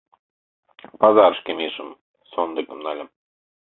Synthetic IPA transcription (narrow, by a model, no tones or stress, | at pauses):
pɑzɑɾʃkemiʒə̆m | sond̪ɤ̆kə̆mnɑlʲə̆m